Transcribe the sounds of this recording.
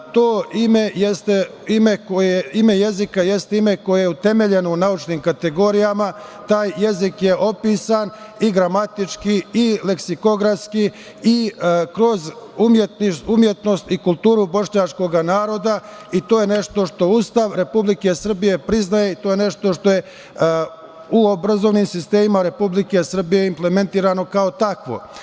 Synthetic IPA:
t̪o̞ːime̞jest̪e | ime̞koimejezikaje̞st̪eime̞ko̞jejeut̪e̞me̞ʎe̞nounaut͡ʃniːmkat̪e̞ɡo̞ɾijamat̪aːjːe̞zikjeʔo̞piːsan | iɡɾamat̪it͡ʃkiile̞ksiko̞ɡɾaski | ikɾo̞zumjet̪niumje̞t̪no̞st̪ikulˠt̪uːɾubo̞ʂɲat͡ʃko̞ɡanaːɾo̞d̪a | it̪o̞ːje̞ne̞ʃt̪o̞ʃt̪o̞uːst̪aʋɾe̞publike̞sr̩bije̞pɾiznaje̞it̪ojene̞ʃt̪o̞ʃt̪o̞je̞ | uo̞bɾazo̞ʋnimsist̪e̞ːmimaɾe̞publike̞sr̩bije̞imple̞me̞nt̪iːɾano̞kao̞t̪akʋo̞̰

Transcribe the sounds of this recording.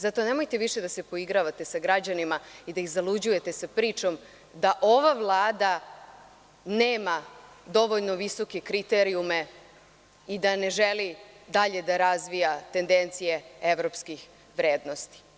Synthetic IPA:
zat̪o̞ne̞mo̞jt̪e̞ʋiʃe̞d̪ase̞po̞iɡɾaʋat̪e̞saɡɾad͡ʑanimaid̪aixzalud͡ʑuje̞t̪e̞sapɾiːt͡ʃo̞m | d̪aʔo̞ʋavlˠaːd̪a | neːma | d̪o̞ʋo̞ʎno̞ʋiso̞ke̞kɾit̪eɾiume̞ | id̪ane̞ʒeli | d̪aʎe̞d̪aɾazʋijat̪e̞nd̪e̞nt̪sije̞eʋɾo̞pskix | ʋɾeːd̪no̞st̪i̥

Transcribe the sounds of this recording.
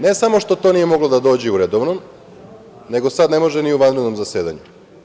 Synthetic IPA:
ne̞samo̞ʃt̪ot̪o̞nijemoɡlod̪ad̪o̞ːd͡ʑiuɾed̪oʋnom | ne̞ɡo̞sad̪ne̞mo̞ʒeniuʋand̪ɾed̪nomzaseːd̪a̰ɲu

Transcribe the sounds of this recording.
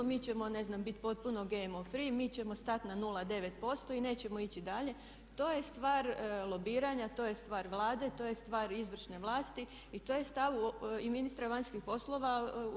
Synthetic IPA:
miːt͡ɕe̞mo̞ne̞znambit̪po̞t̪̚puno̞ɡeemofɾiːmiːt͡ɕe̞mo̞st̪at̪nanulˠad̪e̞ʋet̪̚po̞st̪o̞ine̞ːt͡ɕe̞mo̞it͡ɕid̪aʎe̞ | t̪o̞ːje̞st̪ʋaːɾlˠo̞biːɾaɲat̪o̞ːje̞st̪ʋaːɾʋlˠaːd̪e̞t̪o̞ːjest̪ʋaːɾizʋr̩ʃne̞ʋlˠaːst̪i | it̪o̞ːjest̪aʋuiminist̪ɾaʋaɲskixpo̞slˠo̞ʋa

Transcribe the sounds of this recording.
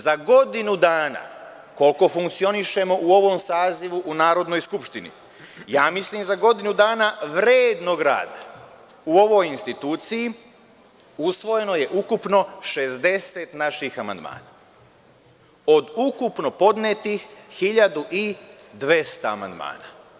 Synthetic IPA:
zaɡo̞d̪inud̪aːna̰ | ko̞lko̞fuŋkt̪sio̞niʃe̞mo̞ʔuo̞ʋo̞msaːziʋuʔunaːɾo̞d̪no̞jskupʃt̪inḭ | jaːmisliːmzaɡo̞d̪inud̪aːnaʋɾeːd̪no̞ɡɾa̰ːd̪a | uo̞ʋo̞jinst̪it̪uːt̪siji | usʋo̞je̞no̞je̞ʔukupno̞ʃe̞zd̪e̞se̞t̪naʃixama̰nd̪ma̰ːna | o̞d̪ukupno̞po̞d̪net̪ixːiʎad̪uʔid̪ʋest̪aa̰ma̰nd̪ma̰ːna

